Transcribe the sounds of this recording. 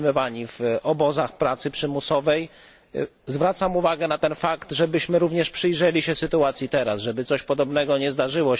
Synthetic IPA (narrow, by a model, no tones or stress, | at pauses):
mɔvaɲivʔɔbɔzaxpɾat̪sɘpʂɘmusɔvɛj | zvɾat̪samuvaɡɛnat̪ɛnfakt̪ʐɛbɘɕmɘɾuvɲɛʂpʂɘjʐɛlʲiɕɛsɘt̪uat̪sʲjit̪ɛɾasʐɛbɘt̪sɔɕpɔd̪ɔbnɛɡɔɲɛzd̪aʐɘwɔ